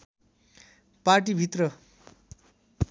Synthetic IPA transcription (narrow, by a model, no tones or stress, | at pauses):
paɾʈibʱit̪rʌ